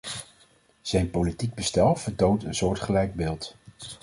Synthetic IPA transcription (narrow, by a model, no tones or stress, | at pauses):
z̥ɛjnpolitiɡ̚bəstɛlˠv̥əɹtowntənsʊːɹtχəlɛjɡ̚bɪːlˠt